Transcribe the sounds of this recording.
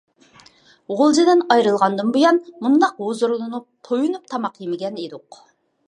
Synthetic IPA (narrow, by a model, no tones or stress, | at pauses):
ʁʊlˠd͡ʒid̪ɪnɑjɾɨlˠʁɑnd̪ɨnbujɑnmund̪ɑqwozuɾnɨnut̪ʰojunup̚t̪ʰɑmɑqjemɪɡʲɛned̪uq